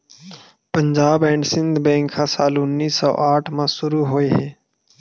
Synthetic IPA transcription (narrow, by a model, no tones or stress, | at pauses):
pəɲd͡ʒaːbɛ̃ːɳɖsɪ̃nd̪ʱbɛ̃ːŋkʰaːsaːlʊnːiːsːɔ̰ːʔaːʈʰmãsʊɾuɦoːeːɦɛ̃ː